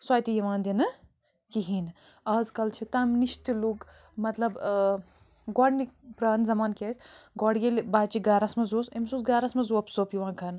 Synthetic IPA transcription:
swaːjt̪ijɐʋaːnd̪ʲinɨ | kiɦin | ɐːzkɐlt͡ʃʰit̪ɐmniʃt̪iluk | mɐt̪lɐb | ɡɔːɽnipɾaːnzɐmaːnkʲɐsʲɡɔːɽɡʲelʲbaːt͡ʃiɡaːɾɐsmɐzoːsemsuːsɡaːɾɐsmɐzoɐpsoːpjiʋãːkʰɐn

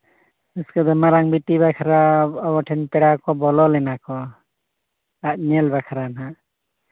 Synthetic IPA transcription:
ɯskad̪ɔmaɾaŋbitiβakʰaɾaɔbɔʈʰɛnpɛɽakɔbɔlɔlɛnakɔ | at̪̚nɛlbakʰaɾana

